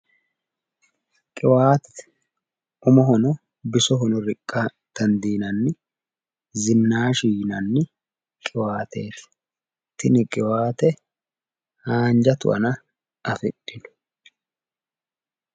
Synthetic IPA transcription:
kʼɪwaːt̪ɛ̥ | ʊmɔɦɔnɔ | bɪsɔɦɔnɔɾɪkʼːa | t̪ɐnd̪iːnɐnːɪ | zɪnːaːʃiːnɐnːɪ | kʼɪwaːt̪eːt̪ɪ̥ | t̪ɪnɪkʼɪwaːt̪ɛ | haːnd͡ʒɐt̪ʊ̰ʔɐ̰nɐ | ʔɐfɪɗːɪnʊ̥

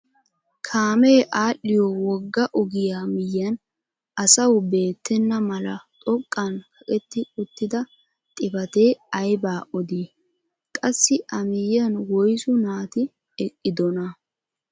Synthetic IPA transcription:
kʰaːmeːʔaːɗːɪjɔwɔɡːɐʔɔɡɪjaːmɪjɐn | ɐsɐwbe̞ːt̪ːɛnːɐmɐlɐt̪ʼɔkʼːɐnkʰɐkʼɛt̪ːɪʔʼʊt̪ːɪd̪ɐ | t̪ʼɪbɐt̪eːɐjbaːʔɔd̪iː | kʼɐsːɪʔɐmɪjːɐnwɔjsʊnaːt̪ɪ | ɛkʼːɪd̪ɔnɐ

